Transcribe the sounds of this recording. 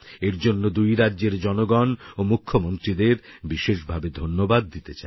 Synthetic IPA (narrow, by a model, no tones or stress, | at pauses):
eɾd͡ʑonːod̪ujɾadːʑeɾd͡ʑɔnoɡɔnomukʰːomont̪ɾid̪eɾbiʃeʃbʱabed̪ʱonːobad̪̚ːit̪et͡ɕae